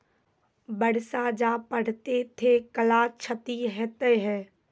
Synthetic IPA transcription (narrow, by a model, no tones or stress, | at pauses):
bəɽ̤sad͡ʒaːpəɽ̤t̪et̪ʰekəlaːt͡ʃʰət̪iɦɛt̪əɦɛː